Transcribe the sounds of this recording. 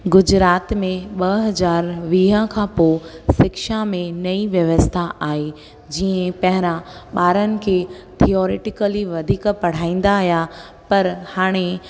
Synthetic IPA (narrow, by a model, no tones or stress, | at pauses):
ɡʊd͡ʑɾaːt̪mẽɓɐɦɐzaːɾʋiːɦə̃kʰãːposɪkʃamẽnɐiʋjɐʋəst̪ʰaʔaːe | d͡ʑiːə̃pɐɦɪɾãɓaːɾənɪ̆kʰeː | t̪ʰiɔːɾeːʈɪkəliʋɐd̪ʱiːkpɐɽ̤aːĩːn̆d̪aːɦja | pɐɾhaːɽ̃e